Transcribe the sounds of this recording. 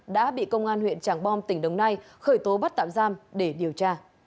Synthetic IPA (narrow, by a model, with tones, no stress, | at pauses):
ɗa̰ː˧˥ɓḭ˧˨kə˧wŋ͡mʔaː˧nhwḭ˧˨ənt͡ɕaː˧˩ŋɓɔ˧mt̪ï˧˩ŋ̟ɗə˨˦wŋ͡mna˧j | xəː˧˩jt̪o˨˦ɓa˦˥t̚t̪a̰ː˧˨mzaː˧mɗe˧˩ɗi˨˩əwt͡ɕaː˧